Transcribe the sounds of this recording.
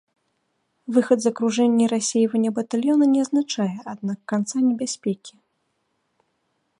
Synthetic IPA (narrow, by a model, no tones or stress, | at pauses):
vɨxɐd̪zɐkɾuʐɛnʲːɛɾasʲejvɐnʲɛbɐt̪alʲjɔnɐnʲɛɐznat͡ʂajɛʔad̪̚nakːant̪sanʲɛbʲasʲpʲɛkʲi